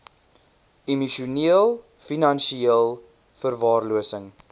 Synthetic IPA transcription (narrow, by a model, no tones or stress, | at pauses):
imiʃuniəlˠ | finɐnʃiiəlˠ | fərvɑːrluəsəŋ